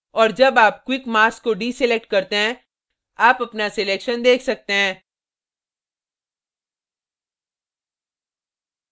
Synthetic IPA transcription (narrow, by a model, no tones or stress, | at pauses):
ɔːɾd͡ʒɐbaːp̚kwɪkmaːɾskoɖiːsɪlek̚ʈ̚kɐɾt̪eɦɛ̃ | aːpɐpnasɪleːkʃənd̪eːkʰsɐk̚t̪eɦɛ̃ː